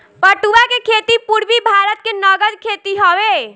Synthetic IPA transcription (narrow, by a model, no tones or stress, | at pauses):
pəʈuakekʰet̪ipuɾbibʱaːɾət̪̚kenəɡəd̪kʰet̪iɦəʋe